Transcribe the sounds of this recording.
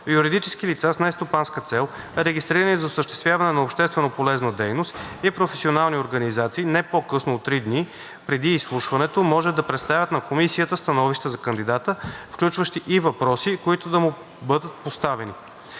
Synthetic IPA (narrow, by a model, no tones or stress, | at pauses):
juɾid̪it͡ʃɛsk̟ilit̪sasnɛst̪opanskət̪sɛlˠ | ɛɾɛɡist̪ɾiɾənizɐosəʃt̪ɛst̪vʲjavɐnɛnɐopʃt̪ɛst̪vɛnopolɛznəd̪ɛjnost̪ipɾofɛsʲionalˠnioɾɡənizat̪siːnɛpokɤsnoːt̪ːɾid̪ni | pɾɛd̪iːslˠuʃvɐnɛt̪omɔʒɛd̪ɐpɾɛt̪st̪avʲjət̪nɐkomisiət̪əst̪ɐnɔviʃt̪əzɐkənd̪id̪at̪əfklʲut͡ʃvəʃt̪iʔivɐpɾɔsikoit̪ʊd̪ɐmu | bɤd̪ət̪̚post̪avɛni